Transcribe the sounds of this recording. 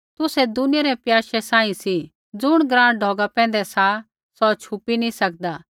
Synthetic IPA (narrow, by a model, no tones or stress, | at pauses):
t̪ʊsɛd̪ʊnɪjaɾɛpjaːʃɛsãːĩsi | d͡zʊɽ̃ɡɾãːɽɖʱɔːɡapɛ̃ːn̆d̪ɛsa | sɔt͡ʃʰʊpinĩsɐk̚d̪aː